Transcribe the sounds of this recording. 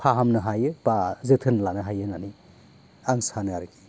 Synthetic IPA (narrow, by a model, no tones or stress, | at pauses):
pʰaɦamnɯɦajɯb̥azɯtʰɯnlanɯɦajɯnani | aŋsanɯaɾɡi